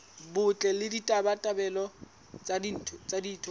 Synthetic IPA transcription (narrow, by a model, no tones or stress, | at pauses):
bʊt͡ɬʼɛlɪditʼabatʼabɛlɔ | t͡sʼadin̩tʰt͡sʼadiːtʰɔ